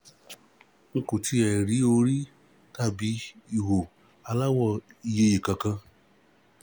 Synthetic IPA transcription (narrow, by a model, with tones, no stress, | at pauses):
ŋ̩˧kõ˨ti˧˦ɛ˨ɾi˨˦o˧ɾi˦ | ta˦˨bi˨˦i˦˨wo˨ | a˧la˦wɔ˦˨i˧˨je˧je˨kã˨˧kã˧